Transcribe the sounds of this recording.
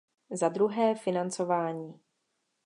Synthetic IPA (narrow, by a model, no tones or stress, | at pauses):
zad̪ɾuɦɛːfɪnant͡so̞vaːɲiː